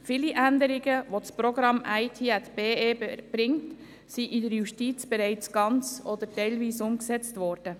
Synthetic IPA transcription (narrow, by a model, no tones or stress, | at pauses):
fiːliʔænd̪əɾɪɡəʋospɾoɡɾɑmæɪt̪ʰiːɛt̪b̥eːeːb̥ɾɪŋt | siʔɪdəɾjuʃtiːt͡sb̥eɾɛɪt͡sɡ̥ɑnt͡sɔd̪əɾtɛɪlviːsʊmksɛt͡stʋɔːɾd̥ə